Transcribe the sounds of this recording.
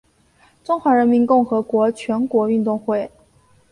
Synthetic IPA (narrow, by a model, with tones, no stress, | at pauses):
ʈ͡ʂʊ˥ŋxwa˧˥ɻə˧˥nmi˧˥nkʊ˥˩ŋxɤ˧˥kwɔ˧˥t͡ɕʰɥɛ˧˥nkwɔ˧˥y˥˧nt̪ʊ˥˧ŋxwe˥˩ɪ